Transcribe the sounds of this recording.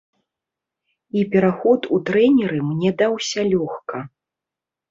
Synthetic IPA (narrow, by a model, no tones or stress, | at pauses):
ipʲɛɾaxɔt̪ut̪ɾɛnʲɛɾɨmnʲɛd̪awsʲɐlʲɔxkɐ